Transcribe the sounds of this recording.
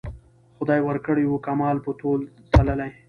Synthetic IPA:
xʊd̪ɑjwəɾkəɽiwukamɑlpət̪olsaləlaj

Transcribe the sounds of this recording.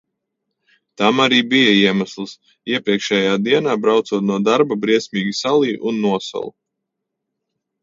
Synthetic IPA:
t̪amaɾiːbijaiɛmaslˠs | iɛpɾiɛkʃɛːjaːd̪iɛnaːbɾawt̪suːt̪nuɔd̪aɾbabɾiɛsʲmiːɡisalˠiːʔunːuɔsa̰lˠu

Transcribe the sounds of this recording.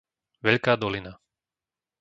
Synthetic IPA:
ʋɛʎkaːd̪ɔlina

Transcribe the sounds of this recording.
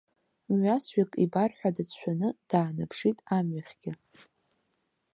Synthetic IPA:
mɥasɥakʼibarħʷᶣadat͡ɕʷʰanɨd̥aːnapʰʂitʼamɥaχʲɡ̥ʲɪ

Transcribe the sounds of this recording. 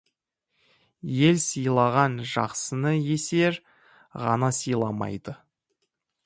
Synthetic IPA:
je̞lsijlˠɑʁɑnʒɑ̰qsənəje̞se̞ɾ | ʁɑ̰nɑsijlˠɑmɑ̰jd̪ə

